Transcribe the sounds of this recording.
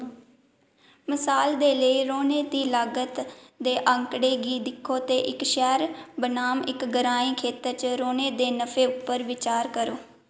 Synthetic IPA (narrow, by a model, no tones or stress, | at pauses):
məsaːld̪eːləiːɾoːneːd̪iːlaːɡət̪d̪eːʔəŋkɽeːɡiːd̪ɪkʰːoːt̪eːʔɪkʃɛːɾbənaːmɪkɡəɾaːĩːkʰeːt̪əɾt͡ʃɾoːneːd̪eːnəfʰeːʊpːəɾʋɪt͡ʃaːɾkəɾoː